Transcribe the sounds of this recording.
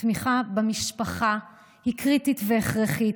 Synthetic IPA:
miχabamiʃpaχa | hikʁititveeχʁeχit

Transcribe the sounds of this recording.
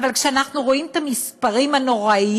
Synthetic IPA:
valkʃeanaχnuʁoimt̪amispaʁimanoʁai

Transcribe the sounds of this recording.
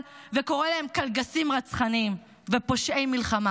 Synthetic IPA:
lveko̞ʁelahemkalɡasimʁat͡sχanim | vepo̞ʃʔejmilχama

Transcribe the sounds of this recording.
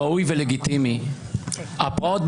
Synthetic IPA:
aujveleɡit̪imi | ʔapot̪̚b

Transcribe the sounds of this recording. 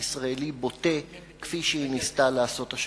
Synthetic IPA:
isʁaelibo̞te̞ | kfiʃeinistalaːso̞taʃ

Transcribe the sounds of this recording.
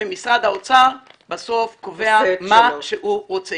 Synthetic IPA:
emisʁad̪haot͡saʁ | baso̞fkove̞amaʃeuʁot͡se

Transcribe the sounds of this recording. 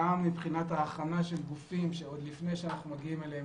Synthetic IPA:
amːipχinat̪aːχanaʃelɡufimʃe̞o̞d̪lifnejʃeanaχnumaɡiimelee

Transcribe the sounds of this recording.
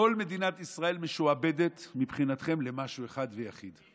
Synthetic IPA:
o̞lme̞d̪inat̪isʁae̞lmeʃuabe̞d̪e̞t̪mipχinat̪χe̞mlemaʃueχad̪vejaχid̪

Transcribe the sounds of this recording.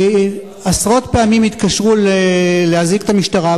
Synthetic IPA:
asʁo̞t̪pe̞amimit̪kaʃʁulelehazikt̪amiʃtaʁa

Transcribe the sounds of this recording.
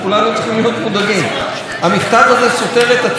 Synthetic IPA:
kulanut͡sχimlijo̞t̪mud̪aɡim | hamiχt̪avaze̞so̞t̪e̞ʁet̪a

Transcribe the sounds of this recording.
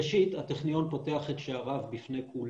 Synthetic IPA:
ʃithateχnijo̞npoteaχetʃeaʁavbifne̞jkʰul

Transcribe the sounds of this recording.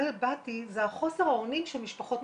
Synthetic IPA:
lbatizeaχo̞seʁhaonimʃemiʃpaχo̞t

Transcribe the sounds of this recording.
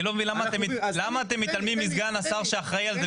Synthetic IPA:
lo̞meinlamat̪emlamaːt̪emːit̪almimːizɡanasaʁʃeaχʁaialze

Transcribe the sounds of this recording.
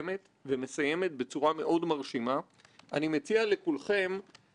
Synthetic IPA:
me̞t̪ | veme̞saje̞me̞t̪̚bet͡suʁame̞ʔo̞dmaʁʃima | ʔanimet͡sialekulχe̞m

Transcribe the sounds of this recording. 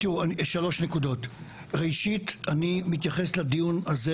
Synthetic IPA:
t̪iuaʃalo̞ʃne̞kudo̞t | ʁejʃitanimit̪̬jaχeslad̪ijunaze

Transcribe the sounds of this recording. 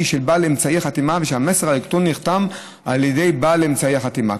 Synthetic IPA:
ʃelbaːlemt͡saiaχat̪imaveʃeameseʁhaikt̪unːiχt̪am | aljede̞jbalemt͡saiaχat̪ima̰

